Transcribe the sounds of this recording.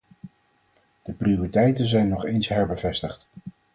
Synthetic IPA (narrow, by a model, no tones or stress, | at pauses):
d̥əprioritɛjtənzɛjnːɔχejnsɦɛɹbəvɛstəχt